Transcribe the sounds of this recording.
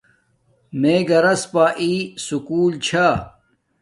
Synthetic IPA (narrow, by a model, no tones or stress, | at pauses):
meːɡɐɾɐspaːʔisukuːlt͡ɕʰa